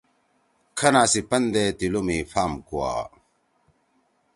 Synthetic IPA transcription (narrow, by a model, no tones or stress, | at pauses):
kʰɐnasipɐnd̪et̪ilumifʰaːmkua̰